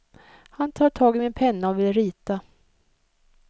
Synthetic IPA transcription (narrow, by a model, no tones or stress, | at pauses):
hant̪ʰɑːʈʰɑːɡɪmɪnpʰɛnːaɔvɪlɾiːt̪a